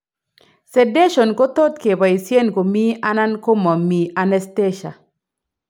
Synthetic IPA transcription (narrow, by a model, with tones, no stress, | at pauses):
se˨de˦ʃo˨nko˦t̪o˦t̪̚ke˨ba˨i˨sje˦nko˨mi˦a˦na˦nko˦ma˨mi˨ʔa˨nɛ˦ste˦ʃa̰˨